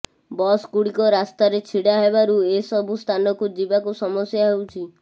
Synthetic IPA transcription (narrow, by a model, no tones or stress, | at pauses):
bɔskuɽikɔɾast̪aɾet͡ʃʰiɽaɦebaɾuesɔbʱust̪ʰanɔkud͡ʒibakusɔmɔsjaɦewt͡ʃʰi